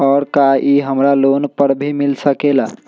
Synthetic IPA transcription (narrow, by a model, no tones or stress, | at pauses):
ɔːɾkaʔiɦəmɾaloːnpəɾbʱimɪlsəkeːla̰ː